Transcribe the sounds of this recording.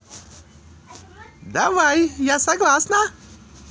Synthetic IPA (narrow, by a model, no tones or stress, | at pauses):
d̪aʋajjasaɡlasna